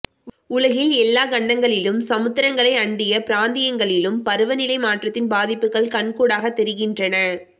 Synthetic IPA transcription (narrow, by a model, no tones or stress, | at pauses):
ʊlɐɣɪlɛlːaːɡɐɳːɐŋɡɐɭɪlɯmsɐmɯt̪ːɪɾɐŋɡɐɭɐɪɐɳɖɪjɐpɪɾaːnd̪ɪjɐŋɡɐɭɪlɯmpɐɾɯʋɐnɪlɐɪmaːʈrɐt̪ːɪnbaːðɪpːɯkɐɭkɐɳkuːɽaːɣɐt̪ːɛɾɪɣɪndrɐnɐ